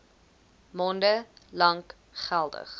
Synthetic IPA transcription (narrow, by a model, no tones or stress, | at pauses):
mɔndəlɐŋk | χælˠdə̰χ